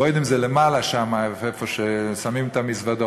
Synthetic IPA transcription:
ojd̪imzelemalaʃamaevefoʃesamimt̪amisvad̪o

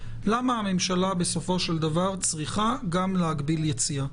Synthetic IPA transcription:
lamaame̞mʃalabe̞so̞fo̞ʃeld̪avaʁt͡sʁiχaɡamleaɡbiljet͡sia

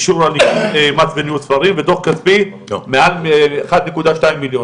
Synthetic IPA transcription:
ʃuɾalniemat͡svenjut̪sfaɾimvet̪o̞χkatpi | mealeχad̪nekud̪aʃtaimːiljo

